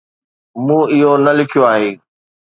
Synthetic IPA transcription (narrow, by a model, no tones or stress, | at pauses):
mũːɪɦonɐlɪkʰijoaːɦeː